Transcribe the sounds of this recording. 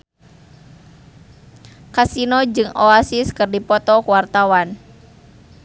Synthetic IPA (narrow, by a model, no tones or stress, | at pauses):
kasinɔd͡ʒɨŋoasiskɨrdipɔt̪ɔkuwart̪awan